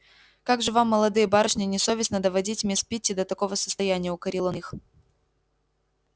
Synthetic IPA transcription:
kaɡʐɨvamːəlˠɐd̪ɨjəbaɾɨʂnʲɪnʲɪso̞vʲɪsnəd̪əvɐdʲitʲmʲespʲitʲːɪd̪ət̪ɐko̞vəsə̥st̪ɐjænʲɪjəʊkɐɾʲilˠonix

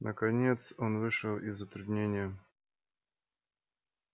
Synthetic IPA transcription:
nʔəkɐnʲet̪sonvɨʂəlˠɪzːət̪ɾʊd̪ʲnʲenʲɪjə

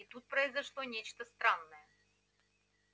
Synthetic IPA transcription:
it̪ut̪̚pɾəɪzɐʂlˠonʲet͡ɕt̪əst̪ɾanːəjə

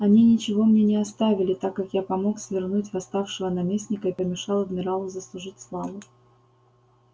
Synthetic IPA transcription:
ɐnʲinʲɪt͡ɕɪvo̞mnʲenʲɪɐst̪avʲɪlʲɪt̪akːakjapɐmo̞ksvʲɪrnutʲvɐst̪afʂɨvənɐmʲesʲnʲɪkəɪpəmʲɪʂɑlˠɐd̪mʲɪɾalˠʊzəslˠʊʐɨtʲslˠavʊ

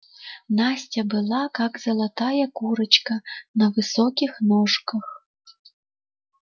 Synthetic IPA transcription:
nasʲt͡sʲɐbɨlˠakakzɐlˠat̪ajɐkuɾɐt͡ʃkɐnɐvɨsɔkʲixnɔʂkɐx

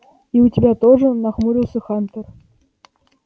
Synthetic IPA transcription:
iutʲɪbʲat̪ɔʐɨnaxmuɾʲiwˠsʲɐxant̪ər

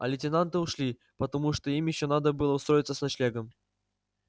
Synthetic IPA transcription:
ɐ̰lʲɪtʲɪnant̪ɨʊʂlʲi | pət̪ɐmuʂt̪oimjɪɕːonad̪əbɨlˠəʊst̪ɾo̞jɪt̪səsnɐt͡ɕlʲeɡəm

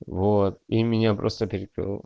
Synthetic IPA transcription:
vot̪̚imʲɪnʲapɾost̪əpʲeɾʲɪkɾɨ̰lˠ

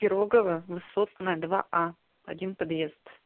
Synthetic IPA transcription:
kʲɪɾoɡəvəvɨsot̪nəjəd̪va̰ʔa | ɐdʲinpɐd̪jezt̪

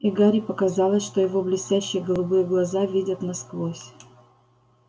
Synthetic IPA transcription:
ɪɡaɾʲɪpəkɐzɑlˠəsʲʂt̪ojɪvoblʲɪsʲtʲæɕːɪjəɡəlˠʊbɨjəɡlˠɐzavʲidʲət̪nɐskvosʲ

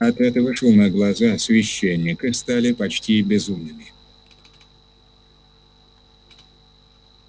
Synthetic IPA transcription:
ɐt̪ɛt̪əvəʂonəɡlˠɐzasʲvʲɪɕːenʲːɪkɨst̪alʲɪpɐt͡ɕtʲibʲɪzumnɨmʲɪ

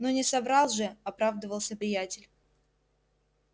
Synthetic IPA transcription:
nonʲɪsɐbɾɑlˠʐɨɐpɾavd̪əvəlˠsʲəpɾʲɪjætʲɪlʲ

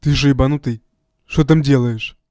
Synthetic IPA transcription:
t̪ɨʐɨjbanut̪ɨ | ʂt̪ot̪̬amdʲelˠəjɪʂ

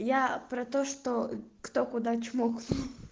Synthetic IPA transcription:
japɾɐt̪oʂt̪okt̪okʊd̪at͡ɕmok̪

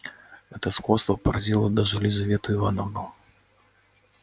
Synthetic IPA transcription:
ɛt̪əskɔst̪vɐpɐɾad͡zʲilˠəd̪ɐʐɨlʲɪzɐvʲet̪ʊɪvanəvnu

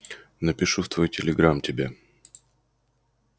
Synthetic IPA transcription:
nəpʲɪʂuft̪vo̞jtʲɪlʲɪɡɾamtʲɪbʲa

